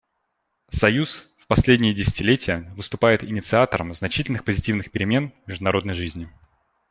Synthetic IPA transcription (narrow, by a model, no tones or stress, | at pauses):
sɐjusfpɐsʲlʲedʲnʲɪjədʲɪsʲɪ̥tʲɪlʲetʲɪjəvɨst̪ʊpajɪt̪ɪnʲɪt̪sɨat̪əɾə̰mznɐt͡ɕitʲɪlʲnɨxpəzʲɪtʲivnɨxpʲɪɾʲɪmʲe̞nmʲɪʐd̪ʊnɐɾo̞d̪nəjʐɨzʲnʲɪ